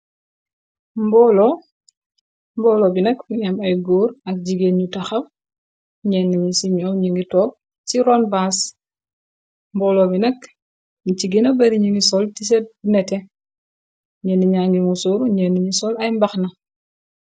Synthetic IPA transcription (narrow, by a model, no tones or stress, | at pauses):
mbɔlɔ | mbɔːlɔbinɛkiɲɐmɐjɡuːɾɐk̚ɟiɡenɲutɐxɐm | ɲɛnːuɲisiɲɔːwɲiŋɡitɔːk̚ | t͡ʃiɾɔnbas | mbɔːlɔbinɛk | nit͡ʃiɡenɐbɐɾiɲiŋɡisɔltisɛt̚nɛtɛ | ɲeniɲaːŋɡimusuːɾɲɛnuɲisɔlɐjmbɐxnɐ